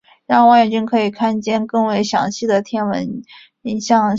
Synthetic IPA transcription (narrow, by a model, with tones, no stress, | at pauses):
ɻɑ˥˩wɑ˥njɛ˨˩t͡ɕi˥ŋkʰɤ˧˥i˨˩kʰa˥nt͡ɕjɛ˥nkɤ˥˩ŋwe˧˥ɪɕjɑ̰˧˥ŋɕi˥˩d̪ə˩t̪ʰjɛ˥nwə̰˧˥n | i˧˥˩ɕjɑ˥˩ŋ